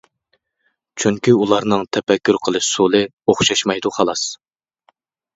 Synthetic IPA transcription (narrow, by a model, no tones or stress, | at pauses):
t͡ʃʰyŋkʲiulˠɑɾnɨŋt̪ʰɛpɛkʲːyɾqʰəlˠɨʃsolˠɨ | oχʃɑʃmɑjd̪uχɑlˠɑs